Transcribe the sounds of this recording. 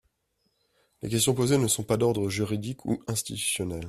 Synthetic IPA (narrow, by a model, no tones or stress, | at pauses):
lḛkʲɛst̪jɔ̃pozenəsɔ̃pad̪ɔʁd̪ʁəʒyʁid̪ikʰṵɛ̃st̪it̪y̥sjɔnɛl